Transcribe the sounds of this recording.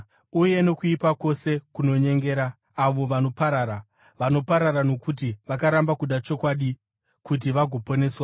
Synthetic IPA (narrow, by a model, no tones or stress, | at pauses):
uje̞no̞kuipako̞se̞kuno̞ɲe̞ŋɡe̞ːɾaː | ʋo̞ʋano̞paɾaːɾa | ʋano̞paɾaɾano̞kut̬iʋakaɾambakuɗat͡ʃo̞kwaɗi | kut̬iʋaɡʱo̞po̞ne̞ːswa